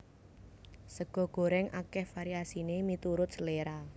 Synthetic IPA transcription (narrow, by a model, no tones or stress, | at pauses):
səɡ̥ɔ̤ɡ̥o̤ɾɛŋa̰kɛhfaɾiasinemit̪uɾʊt̪̚səleɾa